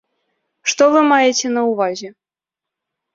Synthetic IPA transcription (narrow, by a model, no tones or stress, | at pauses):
ʂt̪ɔvɨmɑjetʲɛnɐuvɑzʲɛ